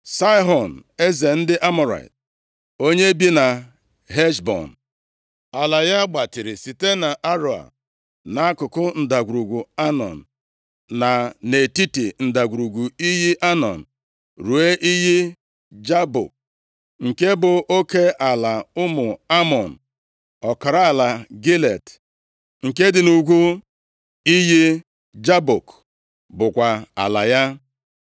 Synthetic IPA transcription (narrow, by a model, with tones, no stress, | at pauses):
sa˦ɪ˦ɦɔ˨n̩˨e˦ze˨n̩˦dɪ˦ʔa˦mɔ˨ɾa̰˨ɪ̰˨t̚ | o˦ɲe˦bi˦na˨ | ɦe˦ʃbɔ̰˨n̩˨ | a˨la˨ja˦ɡ͡ba˨tɪ˨ɾɪ˨si˨te˦na˨ʔa˦ɾo˨a̰˨ | na˨a˦kʊ˨kʊ˦n̩˨da˨ɡʷu˨ɾu˨ɡu˨a˦nɔ̰˨n̩˨ | na˨ne˨ti˦ti˨n̩˨da˨ɡʷu˨ɾu˨ɡu˨i˦ɦi˦ʔa˦nɔ̰˨n̩˨ | ɾu˨e˦ʔi˦ɦi˦ | d͡ʒa˦bʊ̰˨k̚ | ŋ̩˨ke˦bʊ˨o˦ke˦ʔa˨la˨ʊ˦mʊ˨a˦mɔ˨n̩˨ | ɔ˨ka˨ɾa˦a˨la˨ɡi˦le˨t | ŋ̩˨ke˦dɪ˨nu˨ɡʷu˦ | i˦ɦi˦ | d͡ʒa˦bo˨k | bʊ˨kʷa˨a̰˨la˨ja˦